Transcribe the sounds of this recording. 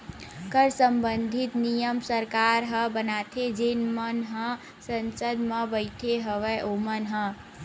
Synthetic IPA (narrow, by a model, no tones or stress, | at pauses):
kəɾsəmbənd̪ʱit̪nijəmsəɾkaɾɦə̃bənat̪ʰed͡ʒenmənɦə̃ | sənsəd̪mə̃bəɪʈʰeɦəʋəʔomənɦə̃